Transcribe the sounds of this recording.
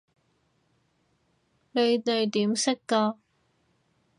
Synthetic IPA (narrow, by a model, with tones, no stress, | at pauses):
ne˨˧jt̪e˨jt̪iː˨˥msɪ˥kːɔː˧